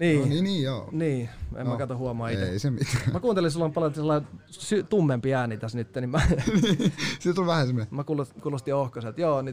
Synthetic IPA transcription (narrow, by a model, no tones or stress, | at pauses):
niːniniːjoːniːḛmmækɑt̪ohuɑmɑːit̪eeˑisemit̪æmækuːnt̪elinsilːompɑljot̪selːɑˑi | syt̪umːempiæːnːit̪æsnyt̪ːenimmæ | sit̪olʋæhæsememækulokuːlost̪iohkɑset̪joːniː